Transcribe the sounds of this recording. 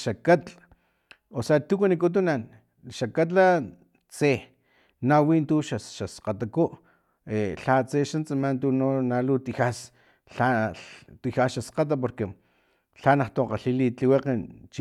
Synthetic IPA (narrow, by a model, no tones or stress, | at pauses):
ʃakat̪ | osat̪ukanikut̪̬unan | ʃakat̪̬la | t͡se | nawint̪uʃaʃasqat̪akuʔ | eɬat͡seʃant͡samant̪unonalut̪ixas | ɬat̪ixasʃasqat̪̬ap̬oɾke | ɬanaht̪oqaɬilit͡ɬiweqent͡ʃ